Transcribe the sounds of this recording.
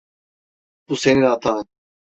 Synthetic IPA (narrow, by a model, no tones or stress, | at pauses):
b̥useninat̪ʰa